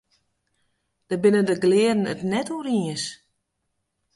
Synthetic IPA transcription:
d̥əbɪnəndəɡlɪədən̩ətnɛturiəs

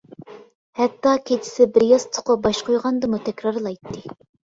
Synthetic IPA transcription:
hɛt̪ːɑkʲʰet͡ʃʰɪ̥sɪbɪɾjɑst̪ʰʊ̥qʊbɑʃqʰojʁɑnd̪ɨmut̪ʰɛkʲɾɑɾlˠɑjt̪ːɨ

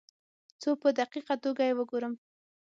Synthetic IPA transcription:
t͡sopəd̪aqiqat̪oɡajewəɡoɾəm

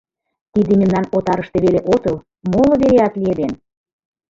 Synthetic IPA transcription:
t̪id̪ĕmʲĕmnɑnot̪ɑɾəʃt̪eβeleʔot̪ɤ̆l | molɤ̆βeleɑt̪lied̪en

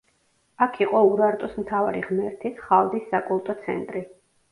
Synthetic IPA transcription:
akʰiqʼɔuɾaɾt̪ʼɔsmt̪ʰavaɾḭʁmɛɾt̪ʰisχalˠd̪isːakʼulˠt̪ʼɔt̪sʰɛ̰nt̪ʼɾi

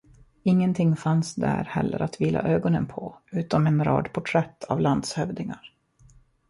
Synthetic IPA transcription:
ɪŋːənt̪ʰɪŋːfansd̪æɾhɛlːəɾat̪viːlʔa̰ʔøːɡɔnənpʰɔʉ̟ːt̪ɔmɛnɾɑ̰ːd̪pʰʊʈʰɾɛt̪ʰːavland̪shœvd̪ɪŋaɾ

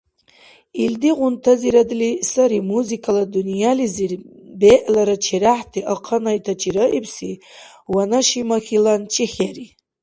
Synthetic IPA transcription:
ild̪iʁunt̪ʰaziɾad̪lisaɾimuzikʰʼalad̪unijalizirbeʔlaɾat͡ʃʰeɾaħtʰiʔaqʰanajtʰat͡ʃʼiɾaʔipsi | wanaʃimaχʲilant͡ʃʰʼiχʲaɾi

